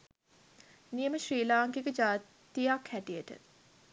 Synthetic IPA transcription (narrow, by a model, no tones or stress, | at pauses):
nijəməʃɾiːlaːŋkikəd͡ʒaː | t̪ijakʰhæʈijəʈə̰